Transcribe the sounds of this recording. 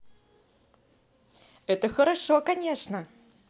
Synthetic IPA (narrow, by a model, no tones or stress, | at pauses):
ɛt̪əxəɾɐʂokɐnʲeʂnə